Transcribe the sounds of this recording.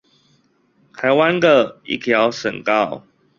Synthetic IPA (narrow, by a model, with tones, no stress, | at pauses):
t̪ʰa˨˦ɪwa˦nd̪ə˨ḭ˦˥t̪ʰjɑ˨˦ʊʂə̰˨˩nkɑ˥˨ʊ